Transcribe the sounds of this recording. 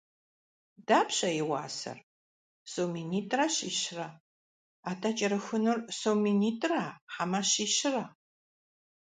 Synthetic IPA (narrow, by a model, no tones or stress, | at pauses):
daːpɕʼɐjɪwa̰ːsɐ̰r | sowminiːtʼrɐɕiːɕɪrɐ | aːtʰɐt͡ʃʼɐɾɨxɨnɨrsowminiːtʼraħamɐɕiːɕɪrɐ